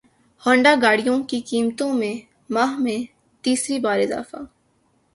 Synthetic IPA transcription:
hɔ̃ːɳɖaːɡaːɽijõkikiːmt̪õmẽ | maːɦmẽ | t̪iːsɾibaːɾɪza̰ːfa̰ː

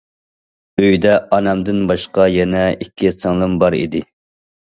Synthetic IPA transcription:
øjd̪ɛʔɑnɛmd̪ɪnbɑʃqɑjɛnɛikʲʰːisɨŋlˠɨmbɑɾḭd̪ɪ

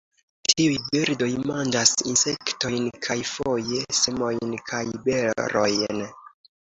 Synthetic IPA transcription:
tʰiujbiɾdo̞jmand͡ʒasinse̞kto̞jnkʰajfo̞je̞semo̞jnkʰajbeɾo̞̰jn

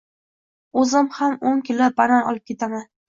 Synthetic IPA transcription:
ɵzɪmhamoŋkʲʰɪlːabaɾanɒ̰lˠɪp̚kʰʲe̞t̪ʰaman

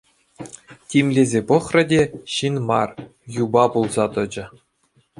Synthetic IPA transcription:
tʲimʲlʲezʲepɤ̆χrɘ̆dʲeɕinmɑ̰r | jubɑpulˠzɑt̪ɤ̆d͡ʑɘ̆

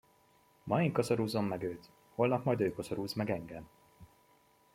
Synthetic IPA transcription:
mɒeŋkɒzoɾuːzo̞mːɛɡøːt̪ | ho̞lnɒkmɒjd̪øːkozoɾuːzmɛɡɛŋɡɛm

